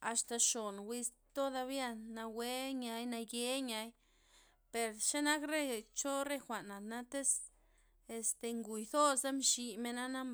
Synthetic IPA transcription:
a˨st̪a˨ʃo˨nwi˧s | t̪o˦d̪a˧bja˦˧nːa˧we˦ɲa˧jna˧je˧˦ɲa˧˦j | pe˨ɾʃe˦na˦kɾe˦˨t͡ʃo˦ɾe˦xʷa˨na˨na˦t̪e˦s | e˧st̪e˨ŋɡu˨jd̪o˦sa˦mʃi˧me˧na˦na˦m

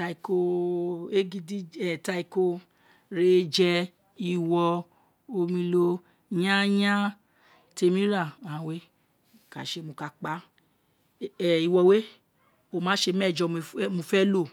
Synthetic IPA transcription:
ta˧i˨ko˧e˦ɡi˧di˦ɛ˨ta˧i˧˨ko˧ | ɾe˨˧˦d͡ʒɛ˧ | i˧˨wɔ˧ | o˧mĩ˧lo˧ | jã˦j̃ã˦ | te˧mĩ˦ɾa˦˨ã˨we˦˨ | ka̰˨ʃe˨˦mõ˧ka˧k͡pa˦˨ | i˨wɔ˧we˦ | o˦˨mãː˨˦ʃe˧mɛ˦˨d͡ʒɔ˧˦mõ˧fɛ˦lo˦˨

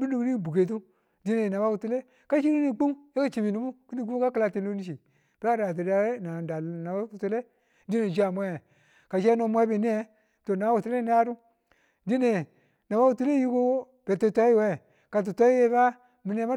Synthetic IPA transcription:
bu˦nu˦˨kni˦˨bu˨ɡe˨t̬u˦ | di˦ne˨na˨ba˦ku˨tu˦le˦ | ka˦ʃi˦ɾi˦ni˦˨k͡pu˦mja˦ka˦t͡ʃi˨bi˨nu˨˦bu˦ki˦ni˦˨ɡu˦ka˦ki˦la˦ti˨lo˦ni˦ʃ̬i˨ | pe˦a˦ɾa˨t̬i˨da˨we˦na˨da˨na˨ba˦ku˨tu˦le˦ | di˦ne˨d͡ʒa˨mʷ˦e˦˨ | ka˨ʃe˦no˨mʷ˦e˦be˨ni˦e˦ | to˨na˨ba˦u˨tu˨˦le˦n˦a˦ɾu˦ | di˦ne˨ | na˨ba˦ku˨tu˦le˦ji˦ko˦ | b̥e˨to˨ta˦i˦we˦˨ | ka˨t̬u˨tʷa˦i˦je˦ba˦ | mi˨ne˨˦ma˦

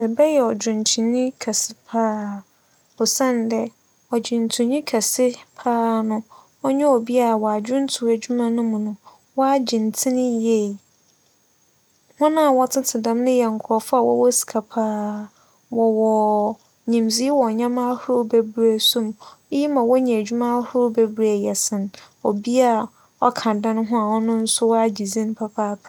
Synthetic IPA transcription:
bɛ˨bɛ˦jɛ˨ɔ˨d͡ʑᶣʊ̃˨ntʰĩ˨nĩ˦kʰɛ˨sɪ̥˨pʰaː˦ | ɔ˨sɛ̃˦n˨dɛ˨ | ɔ˨d͡ʑɪ̃˨n˨tʰũ˨ɲĩ˦kʰɛ˨sɪ˦pʰaː˦nʊ̃˦ | ɔ˦ɲɛ˦ɔ˨bi˦a˨wɔ˨a˨d͡ʑᶣʊ̃˦n˦tʰʊ˨æ˨d͡ʑu˦mã˨nʊ̃˦mʊ̃˨nʊ̃˨ | wɔ˦a˦d͡ʑĩ˨n˨tʰĩ˦nɪ̃˦je˦˨ | hʊ̃˦nã˦˨wɔ˦tʰɪ˦tʰɪ˨dã˨mnʊ̃˦jɛ˨ŋ̩˨kʰɔ˨fa˦˨wɔ̰˦wɔ˦si̥˨kʰa˨pʰaː˦ | wɔ˨wɔ˨ | ɲĩ˨mzi˦wɔ˨ɲã˦mã˦hʊ˦ɾʊ˦be˦bɾe˦sũ˦m˦ji˦mã˨wɔ˦ɲɛ̃˨æ˨d͡ʑᶣu˦mã˦hʊ˦ɾʊ˦be˦bɾa˨jɛ˨sɪ̃˨n | o˨bi˦a˦˨ | ɔ˦kʰã˨dã˦nʊ̃˦ɦʊ̃˦a˨wɔ˦nʊ̃˦n̩˦sʊ˦wɔ˦a˦d͡ʑi˨zĩ˦ñ˦pʰa˦pʰaː˦pʰ

